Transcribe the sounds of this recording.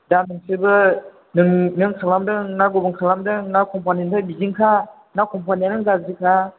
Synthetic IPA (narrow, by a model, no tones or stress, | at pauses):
danɯŋsɯbɯ | nɯŋnɯŋkʰalamdɯŋnaɡubɯŋkʰalamdɯŋnakʰɔmpʰanintʰɯbiziŋkʰa | nakʰɔmpʰanianɯŋɡazɯkʰa